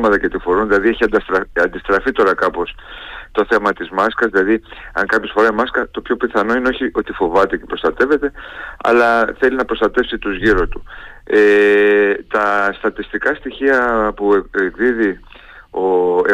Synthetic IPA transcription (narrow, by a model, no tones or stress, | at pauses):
mɐt̪ɐcet̪ifo̞ɾunðilɐðieçiɐd̪ɐst̪ɾɐɐnd̪ist̪ɾɐfit̪o̞ɾɐkɐpo̞s | t̪o̞θe̞mɐt̪izmɐskɐzðilɐðiɐŋkɐpçosfo̞ɾɐimɐskɐt̪o̞pço̞piθɐno̞ineoçiʔo̞t̪ifo̞vɐt̪e̞ce̞pɾo̞st̪ɐt̪e̞ve̞t̪e̞ɐ̰lɐθe̞linɐpɾo̞st̪ɐt̪e̞fsit̪uzʝiɾost̪u̥e | t̪ɐst̪ɐt̪ist̪ikɐst̪içiɐpueɡðiði | o